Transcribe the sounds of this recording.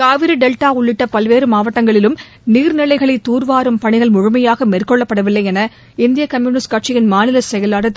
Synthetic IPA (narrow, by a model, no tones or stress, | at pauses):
kaːʋɪɾɯɖɛlʈaːʊɭːɪʈːɐpɐlʋeːɾɯmaːʋɐʈːɐŋɡɐɭɪlɯm | niːɾnɪɭɐɪɣɐɭɐɪt̪ːuːɾʋaːɾɯmpɐɳɪɣɐɭmʊɻʊmɐjaːɣɐmeːrkɔɭːɐpːɐɽɐʋɪlːɐɪɛnɐ | ɪnd̪ɪjɐkɐmjuːnɪskaʈt͡ʃɪjɪnmaːnɪlɐssɛjɐlaːɽɐt̪ː